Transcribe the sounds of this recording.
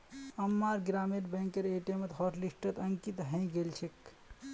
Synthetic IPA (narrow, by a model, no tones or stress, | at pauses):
əmːaɾɡɾameɾbɛ̃ŋkeɾeʈemet̪ɦɔʈlisʈət̪əŋkit̪ɦə̃j̃ɡelt͡ʃʰek